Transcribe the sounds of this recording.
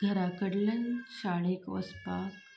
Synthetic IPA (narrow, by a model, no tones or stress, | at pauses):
ɡʱəɾakəɽlənɕaɭekʋə̰spa